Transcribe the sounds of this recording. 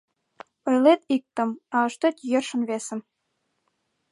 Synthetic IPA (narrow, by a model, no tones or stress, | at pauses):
ŏjlet̪ik̚t̪ə̆mɑəʃt̪et̪jɤrʃə̆nβesə̆m